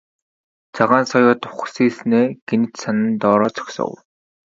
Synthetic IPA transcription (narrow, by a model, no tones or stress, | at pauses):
t͡sʰaʁaːnsɔjʊːt̪ʊ̥χ̆siːsneːɡ̥enɘ̆t͡ɕsanɘ̆nt̪ɔːɾɔːt͡sʰɔ̥ksɔ̰w